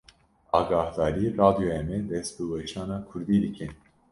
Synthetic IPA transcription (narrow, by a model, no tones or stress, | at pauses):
ɑːɡɑːhd̪ɑːɾirɑːd̪ijojɛmɛd̪ɛst̪bɨwɛt͡ʃʰɑːnɑːkʰʊɾd̪iːd̪ɨkʰɨn